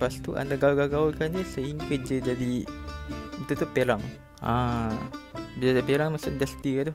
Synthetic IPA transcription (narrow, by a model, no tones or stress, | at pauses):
past̪uʔa̰ndaɡawɡaɡaulkand͡ʒəsəiŋkəd͡ʒəd͡ʒadi | it̪ut̪upeɾaŋ | ã̰ | bəd͡ʒad͡ʒapeɾaŋmasʊmdast̪iat̪u